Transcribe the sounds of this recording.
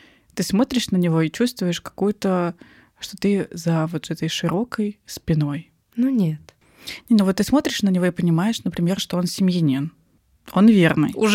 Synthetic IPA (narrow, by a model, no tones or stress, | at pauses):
t̪ɨsmo̞t̪ɾʲɪʂnənʲɪvo̞it͡ɕust̪vʊjɪʂkɐ̥kujʊt̪ə | ʂt̪o̞t̪ɨzəvot̪zɛt̪əjʂɨɾo̞kəjspʲɪno̞j | nunʲet̪ | nʲenovot̪ːɨsmo̞t̪ɾʲɪʂnənʲɪvo̞ɪpənʲɪmajɪʂnəpɾʲɪmʲe̞rʂt̪o̞o̞nsʲɪmʲjɪnʲen | o̞nvʲernɨ̰jʊ